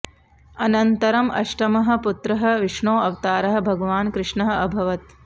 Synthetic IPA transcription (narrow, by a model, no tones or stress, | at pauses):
ɐnɐnt̪ɐɾɐmɐ̰ʂʈɐmɐɦɐ̆put̪ɾɐɦɐ̆ʋiʂɳoːɐʋt̪aːɾɐɦɐ̆bʱɐɡɐʋaːnkɾɪʂɳɐɦɐ̆ɐbʱɐʋɐt̪̚